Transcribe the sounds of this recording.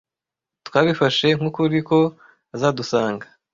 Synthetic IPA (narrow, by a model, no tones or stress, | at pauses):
twaːβifaʃe̞ŋ̥hukuɾiko̞ | azaːdusaːŋɡa